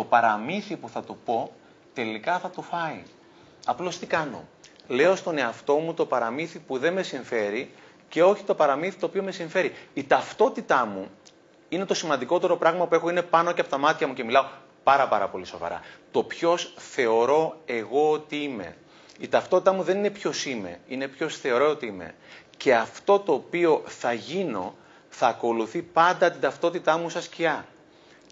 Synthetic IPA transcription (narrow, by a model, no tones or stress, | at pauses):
t̪o̞pɐɾɐmiθipuθɐt̪upo̞ | t̪e̞likɐθɐt̪ufɐi | ɐplo̞st̪ikɐno̞̰le̞o̞st̪o̞ne̞ɐft̪o̞mut̪o̞pɐɾɐmiθipuðe̞me̞siɱfe̞ɾi | ce̞o̞çi̥t̪o̞pɐɾɐmiθit̪oːpiome̞siɱfe̞ɾiit̪ɐft̪o̞t̪it̪ɐmu | ine̞t̪o̞simɐnd̪iko̞t̪e̞ɾo̞pɾɐɣmɐpue̞xo̞ine̞pɐno̞ceɐpot̪ɐmɐt̪çɐmuce̞milɐo | pɐɾɐpɐɾɐ̰po̞liso̞̰vɐ̰ɾɐ̰t̪o̞pço̞sθe̞o̞ɾo̞e̞ɣo̞ot̪iime̞̰ | it̪ɐft̪ot̪it̪ɐmuðe̞nine̞pço̞sime̞̰ine̞pço̞sθe̞o̞ɾoot̪iime̞̰ce̞ɐft̪o̞t̪o̞ːpio̞θɐʝino̞̰ | θɐːko̞luθipɐnd̪ɐt̪ind̪ɐft̪o̞t̪it̪ɐmusɐsciɐ